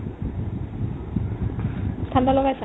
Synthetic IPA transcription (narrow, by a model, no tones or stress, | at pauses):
st̪ʰand̪alɔkas